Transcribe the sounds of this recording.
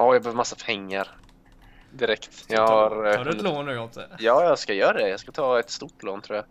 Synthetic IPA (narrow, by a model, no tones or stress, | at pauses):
ɔːjɑɡbɛøːvəɾmasːapʰɛŋːaɾ | d̪ɪɾɛkt̪jɑɡaɾdɛloːnːʉɔt̪ə̰jɑːjɑskajœːɾad̪ɛjɑskat̪ʰɑːɛt̪st̪uʈloːnt̪ʰɾuːja